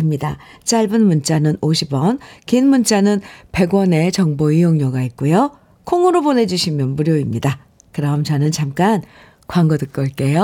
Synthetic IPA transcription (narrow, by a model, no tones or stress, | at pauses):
ɯmɲida̰t͡ɕ͈aɭbɯnmunt͡ɕ͈anɯnoɕʰibwʌnkinmunt͡ɕ͈anɯnpe̞ɡwʌne̞t͡ɕʌŋboijoŋɲʌɡait̚k͈ujo | kʰoŋɯɾobone̞d͡ʑuɕʰimjʌnpuɾjoimɲida | kɯɾʌmt͡ɕʌnɯnt͡ɕamk͈an | kwaŋɡʌdɯk͈ʌɭk͈e̞jo